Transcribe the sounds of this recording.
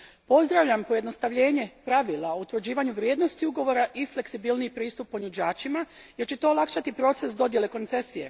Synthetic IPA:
po̞zd̪ɾaʋʎampo̞jed̪no̞st̪aʋʎe̞ːɲe̞pɾaʋilˠaout̪ʋr̩d͡ʑiːʋaɲuʋɾje̞ːd̪no̞st̪iuɡo̞ʋo̞ɾaʔifle̞ksibilnijipɾiːst̪upːo̞ɲud͡ʑaːt͡ʃima | je̞ɾt͡ɕe̞t̪o̞ːlˠakʃat̪ipɾo̞t̪se̞sd̪o̞d̪je̞le̞ko̞nt̪se̞sije̞̰

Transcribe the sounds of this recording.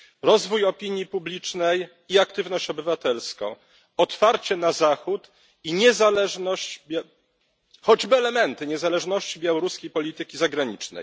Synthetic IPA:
ɾɔzvujɔpʲiɲjipublʲit͡ʂnɛj | iakt̪ɘvnɔɕt͡ɕɔbɘvat̪ɛlskɔ̰̃w̃ | ɔt̪faɾt͡ɕɛnazaxut̪ | iɲɛzalɛʐnɔɕt͡ɕbʲ | xɔd͡ʑbɘɛlɛmɛnt̪ɘɲɛzalɛʐnɔɕt͡ɕibʲjawɔɾuskʲejpɔlʲit̪ɘkʲizaɡɾaɲit͡ʂnɛ̰j

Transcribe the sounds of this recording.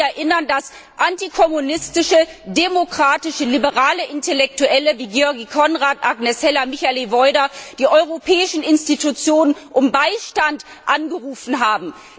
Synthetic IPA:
ɛɐʔɪnɐndas | ʔantikʰɔmunɪstɪʃə | demokʁ̥aːtɪʃəlibəʁaːləʔɪntɛlɛk̚tuʔɛləviːɡjɔɐɡikʰɔnʁaːtʔaɡnɛsɛlɐmɪçalivɔʏdɐd̥iːʔɔʏʁopʰɛːɪʃn̩ɪnstitut͡sjoːnənʔʊmbaɪʃtant | ʔanɡəʁuːfn̩ɦaːbm̩

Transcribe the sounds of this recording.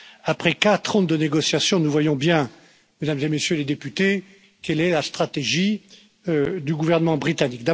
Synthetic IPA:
apχɛkat̪χɔ̃d̪əneɡɔsjasjɔ̃nuvwajɔ̃bjɛ̃ | med̪amzemesjøled̪epyt̪e | kɛlɛlast̪χat̪eʒi | d̪yɡuvɛʁnəmɑ̃bʁit̪anikd̪a

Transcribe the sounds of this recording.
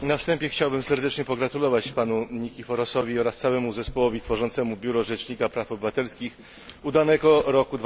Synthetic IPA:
nafst̪ɛmpʲjɛxt͡ɕawbɘmsɛɾd̪ɛt͡ʂɲɛpɔɡɾat̪ulɔvat͡ɕpanuɲikʲifɔɾɔsɔvʲiɔɾast̪sawɛmuzɛspɔwɔvʲit̪fɔʐɔnt̪sɛmubʲjuɾɔʐɛt͡ʂɲikapɾafɔbɘvat̪ɛlskʲix | ud̪anɛɡɔɾɔkud̪v

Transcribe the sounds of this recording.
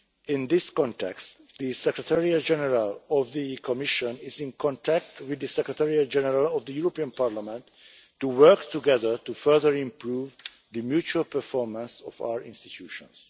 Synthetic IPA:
ɪ̃nd̪ɪskɔ̃ntʰɛ̰kst | d̪isɛkɹət̪ʰɛɹiad͡ʒɛnɛɾalɔvðikʰɔmɪʃɔ̃nɪzĩnkʰɔ̃ntʰæk̚twɪd̪ɨsɛkɾət̪ʰɛɹiad͡ʒɛnəɾalɔvd̪əjuɾɔpiãnpʰaɹlamɛ̃nt | tːuwɜɹkt̪uɡɛðə˞t̪ufɜ˞ðəɹĩmpʰɹuv | ðɨmjut͡ʃuəlpʰə˞fɔɹmãnsɔva̰əɹɪ̰̃nstit̪ʰuʃɔ̰̃ns

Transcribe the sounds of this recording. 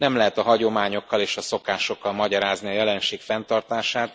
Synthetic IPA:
nɛmlɛɦɛt̪ɒɦɒɟo̞maːɲo̞kːɒleːʃɒso̞kaːʃo̞kːɒlmɒɟɒɾaːzniɒjɛlɛnʃeːkfɛnt̪ɒrt̪aːʃaːt̪

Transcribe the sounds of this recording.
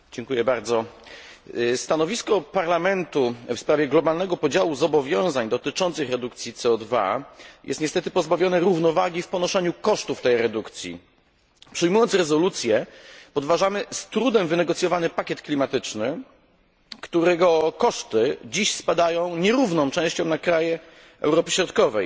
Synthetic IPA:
d͡ʑɛŋkujɛbaɾd̪zɔ | st̪anɔvʲiskɔpaɾlamɛnt̪ufspɾavʲjɛɡlɔbalnɛɡɔpɔd͡ʑawuzɔbɔvʲjɔ̃w̃zaɲd̪ɔt̪ɘt͡ʂɔnt̪sɘxɾɛd̪uk̚t̪sʲjit̪sɛɔd̪va̰jɛ̰st̪ɲɛst̪ɛt̪ɘpɔzbavʲjɔnɛɾuvnɔvaɡʲifpɔnɔʂɛɲukɔʂt̪uft̪ɛjɾɛd̪ukt̪sʲjḭ | pʂɘjmujɔnt̪sɾɛzɔlut̪sʲjɛpɔd̪vaʐamɘst̪ɾud̪ɛmvɘnɛɡɔt̪sʲjɔvanɘpakʲɛt̪klʲimat̪ɘt͡ʂnɘ | kt̪uɾɛɡɔkɔʂt̪ɘd͡ʑiɕspad̪ajɔ̃w̃ɲɛɾuvnɔ̃w̃t͡ʂɛ̃w̃ɕt͡ɕɔ̃w̃nakɾajɛ | ɛ̰wɾɔpɘɕɾɔt̪kɔvɛj

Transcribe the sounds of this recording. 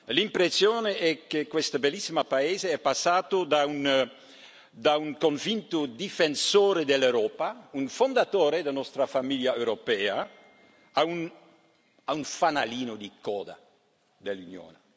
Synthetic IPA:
limpɾesjoːneʔɛkːekːwest̪abelːisːimapaeːzeɛpːasːaːt̪od̪aun | d̪auŋkoɱvint̪od̪ifensoːɾed̪elːewɾɔːpaunfond̪at̪oːɾed̪anɔst̪ɾafamiljaewɾopɛːa | aun | aunfanaliːnod̪ikɔ̰ːd̪a̰ | d̪elːunjo̰ːne

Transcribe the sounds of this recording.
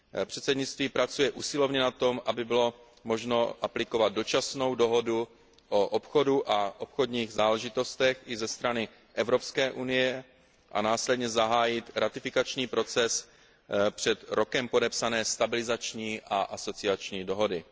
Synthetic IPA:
pr̥ɛt̪sɛdɲɪt͡st̪viːpɾat͡sujɛʔuːsɪlovɲɛnat̪o̞mʔabɪbɪlo̞ | mo̞ʒno̞ʔaplɪko̞vad̪̚do̞t͡ʃasno̞wdo̞ɦo̞du | ʔoʔopxo̞duʔaʔopxo̞dɲiːɣzaːlɛʒɪt̪o̞st̪ɛxʔɪzɛst̪ɾanɪ | ʔɛvɾo̞pskɛːʔunɪjɛ | ʔa̰naːslɛdɲɛzaɦaːjɪt̪ɾat̪ɪfɪkat͡ʃɲiːpɾo̞t͡sɛs | pr̝̥ɛt̪ɾo̞kɛmpo̞dɛpsanɛːst̪abɪlɪzat͡ʃɲiːʔaʔaso̞t͡sɪat͡ʃɲiːdo̞ɦo̞dɪ

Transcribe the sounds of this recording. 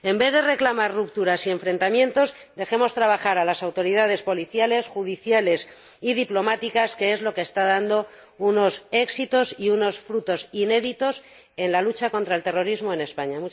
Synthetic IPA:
e̞mbe̞ðe̞re̞klamarrup̚t̪uɾasie̞ɱfɾe̞nt̪amjẽ̞nt̪o̞z | d̪e̞xe̞mo̞st̪ɾaβ̞axaɾalasawt̪o̞ɾiðað̞e̞spo̞liθjale̞sxuð̞iθjale̞s | iðiplo̞mat̪ikaske̞e̞zlo̞ke̞ːst̪aðand̪o̞ | uno̞se̞ksit̪o̞siuno̞sfɾut̪o̞sine̞ðit̪o̞s | e̞nlalut͡ʃako̞nt̪ɾaelt̪e̞ro̞ɾizmo̞e̞ne̞spaɲamu

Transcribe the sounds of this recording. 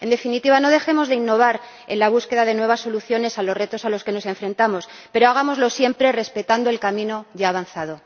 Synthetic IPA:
e̞nd̪e̞finit̪iβano̞ð̞e̞xe̞mo̞zðe̞inːo̞β̞aɾ | e̞̰nlaβ̞uske̞ðaðe̞nwe̞β̞asːo̞luθjo̞ne̞salo̞zre̞t̪o̞salo̞ske̞no̞se̞ɱfɾẽ̞nt̪amo̞s | pe̞ɾoaɣ̞amo̞zlo̞sje̞mpɾe̞re̞spe̞t̪and̪oelkamĩno̞ʝaːβ̞anθað̞o̞

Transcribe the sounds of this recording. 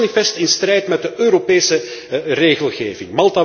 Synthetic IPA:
nifɛstɪnstrɛjtmɛd̚dəʔøːɾopeːsəreːɣəlˠɣeːvɪ̰ŋmɑlˠta

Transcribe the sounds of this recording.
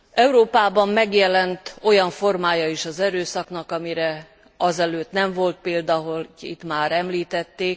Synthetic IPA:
ɛuɾoːpaːbɒmːɛɡjɛlɛnt̪o̞jɒɱfo̞rmaːjɒiʃɒzɛɾøːsɒknɒkɒmiɾɛ | ɒzɛløːt̪nɛɱvo̞lt̪̚peːld̪ɒɦo̞lḭt̪maːɾɛmliːt̪ɛt̪ːeːk

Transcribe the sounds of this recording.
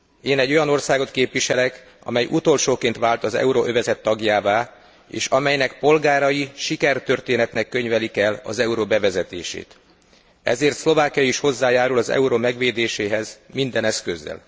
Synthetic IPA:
eːnɛɟːo̞jɒno̞rsaːɡo̞t̪keːpʋiʃɛlɛk | ɒ̰mɛjʔut̪o̞lʃoːkeːnt̪ʋaːlt̪ɒzɛ̰uɾoʔøvɛzɛt̪ːɒɡjaːvaː | ḛːʃɒmɛjnɛk̚po̞lɡaːɾɒjiʃikɛrt̪ø̞rt̪eːnɛt̪nɛkːø̞ɲvɛlikɛlɒ̰zɛuɾoːbɛvɛzɛt̪ḛːʃḛːt̪ | ɛ̰zeːrt̪slo̞vaːkijɒjiʃho̞zːaːjaːɾulɒzɛ̰uɾomɛɡʋeːd̪eːʃeːɦɛzmind̪ɛnɛskøzːɛ̰l

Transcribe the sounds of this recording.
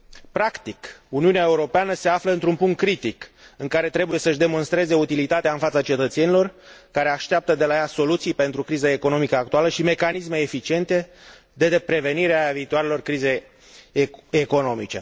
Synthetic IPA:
pɾakt̪ikuniuneaeuɾo̞peanəse̞afləɨnt̪ɾumpuŋt̪̚kɾit̪ikɨŋkaɾe̞t̪ɾe̞buje̞səɨʒʲd̪e̞mo̞nst̪ɾe̞ze̞ut̪ilit̪at̪eaɨnfat̪sat͡ʃe̞t̪ət̪se̞nilo̞rkaɾe̞aʃt̪eap̚t̪əd̪e̞lajaso̞lut̪sijpe̞nt̪ɾukɾizaeko̞no̞mikəakt̪ualəʃime̞kanisme̞ːfit͡ʃie̞nt̪e̞ | d̪e̞pɾe̞ve̞niɾeaviːt̪oaɾe̞lo̞rkɾize̞j | eko̞no̞mit͡ʃe̞

